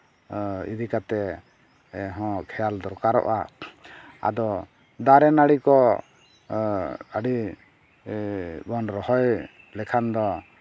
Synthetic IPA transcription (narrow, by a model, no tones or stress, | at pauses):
ḭd̪ikat̪ɛ | ɦɔ̃kʰɛjald̪ɔɾkaɾɔ̰ʔa̰ | a̰d̪ɔ | d̪aɾɛnaɽikɔ | aɽi | bɔnɾɔhɔj | lɛkʰand̪ɔ